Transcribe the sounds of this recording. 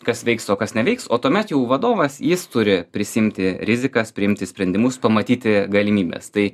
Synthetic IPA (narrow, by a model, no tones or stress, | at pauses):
kɐsʋʲɛɪksoːkɐsnʲɛʋʲɛɪksoːt̪uɔmʲɛt̪jɛʊʋɐd̪oːʋɐsjɪst̪ʊɾʲɪpʲɾʲɪsʲɪɪmʲt̪ʲɪɾʲɪzʲɪkɐspʲɾʲɪɪmʲt̪ʲɪsʲpʲɾʲɛnʲd̪ʲɪmʊspɐmɐt̪ʲiːt̪ʲɪɡɐlʲɪmʲiːbʲɛ̰st̪ɐɪ